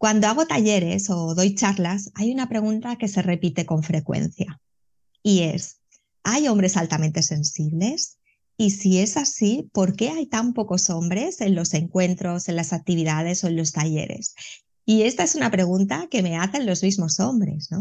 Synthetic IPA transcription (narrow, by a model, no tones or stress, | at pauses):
kwand̪oaɣ̞o̞t̪aʝe̞ɾe̞so̞ðo̞jt͡ʃaɾlasajunapɾe̞ɣunt̪ake̞se̞re̞pit̪e̞ko̞ɱfɾe̞kwe̞̰n̟θja | ie̞s | ajo̞mbɾe̞salt̪amẽ̞nt̪e̞se̞nsiβle̞s | isie̞sasipo̞ɾke̞ajt̪ampo̞ko̞so̞mbɾe̞se̞nlo̞se̞ŋkwe̞nt̪ɾo̞se̞nlasak̚t̪iβiðað̞e̞so̞e̞nlo̞st̪aʝe̞̰ɾe̞̰s | ie̞st̪ae̞sunapɾe̞ɣ̞unt̪ake̞me̞aθe̞nlo̞zmizmo̞so̞mbɾe̞̰sno̞